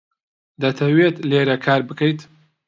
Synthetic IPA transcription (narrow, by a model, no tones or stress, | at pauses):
d̪ɐt̪ʰɐweːt̪leːɾɐkʰaːɾbɨkɐjt̪